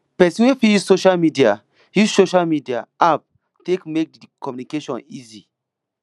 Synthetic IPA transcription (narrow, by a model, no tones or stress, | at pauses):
pɛsĩwefijuzsoʃalmidia | juzsoʃalmidia̰ʔap̚ | tekmek̚dikʰɔmjunikeʃɔ̰̃nizi